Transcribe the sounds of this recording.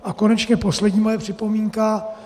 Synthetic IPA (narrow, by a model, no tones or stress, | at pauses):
ʔako̞nɛt͡ʃɲɛpo̞slɛdɟɲiːmajɛpr̝̥ɪpo̞miːŋka